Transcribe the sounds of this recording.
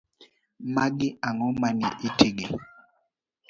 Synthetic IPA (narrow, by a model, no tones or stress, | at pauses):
maɡɪaŋɔmanḭʔitʰiɡi